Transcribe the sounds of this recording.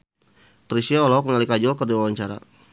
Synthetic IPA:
t̪ɾisiaɔlɔk̚məŋalikad͡ʒɔlkərdiwawaɲt͡ʃaɾa̰

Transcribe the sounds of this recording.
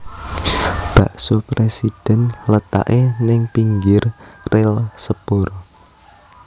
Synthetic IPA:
b̥ä̤ʔsopɾesid̥ɛ̤nlət̪a̰ʔenɪŋpiŋɡɪrrʔɪlsəpʊr

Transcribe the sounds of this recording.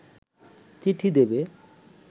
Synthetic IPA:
t͡ɕiʈʰid̪ebe

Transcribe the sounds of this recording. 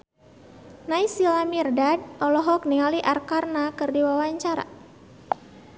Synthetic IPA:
najsilamirdadɔlɔɦɔknialiʔarkarnakɨrdiwawaɲt͡ʃaɾa̰

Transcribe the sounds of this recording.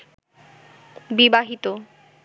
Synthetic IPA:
bibaɦit̪o

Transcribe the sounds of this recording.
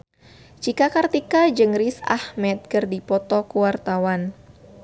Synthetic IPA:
t͡ʃikakart̪ikad͡ʒɨŋɾisa̰hmɛt̪̚kərdipɔt̪ɔkuwart̪awan

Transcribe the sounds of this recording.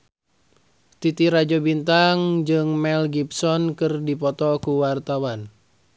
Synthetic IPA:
t̪it̪iɾad͡ʒɔbint̪aŋd͡ʒɨŋmɛlɡipsɔnkɨrdipɔt̪ɔkuwart̪awan

